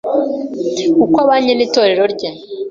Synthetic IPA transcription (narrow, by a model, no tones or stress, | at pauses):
kukwaβaːɲeniːto̞ːɾe̞ɾo̞ɾɟe